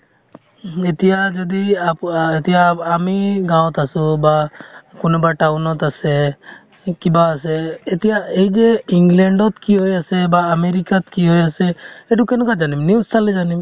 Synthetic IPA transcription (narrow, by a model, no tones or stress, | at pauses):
et̪ijad͡ʒɔd̪iapet̪ijaːmiɡãwt̪asubakunɔbaʈawnɔt̪asɛ | kibaːsɛːt̪ijaejd͡ʒeiŋɡlɛɳɖɔt̪kiɦojasɛbaːmeɾikat̪̚kiɦojasɛɛɖukɛnɔkad͡ʒanimniwstalɛd͡ʒanim